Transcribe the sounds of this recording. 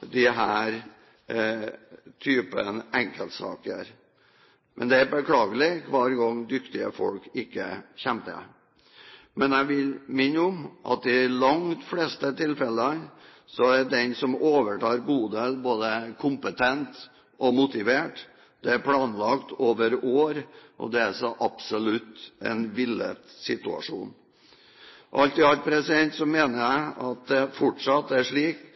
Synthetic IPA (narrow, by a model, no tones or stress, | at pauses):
d̪ɪɦæːɾ | t̪ʰyːpənɛŋkəlt̪sɑ̰ːkəɾ | mʔɛ̰nd̪ɛæɾbəkʰlɑːɡəlɪkʰʋɑːɾɡɑŋːd̪ʏkt̪ɪə̰fɔ̰lkɪkːə̰çɛmt̪ə̰ | mɛnæʋɪlmɪnːəʊmʔɑ̰t̪̚ɪlɑŋt̪fleːst̪ət̪ʰɪlfɛlən | sɔæɖɛnsɔmoːʋəʈʰɑːɾɡuːd̪elboːd̪əkʰʊmpət̪ʰɛnt̪ | ɔmʊt̪ɪʋeːʈ | d̪̥ɛæɾpʰlɑːnlɑkt̪oːʋəɾoːɾʔɔ̰d̪ɛæsɔʔɑpsɔlʉt̪ːɛ̰nʋɪlːə̰t̪sɪt̪ʉɑ̰ʂṵːn | ʔɑlt̪ɪɑlpʰɾɛsɪd̪ɛnt̪sɔmeːnəɾæɪɑt̪̚d̪ɛfɔʈʂɑt̪ːæʂɭiːk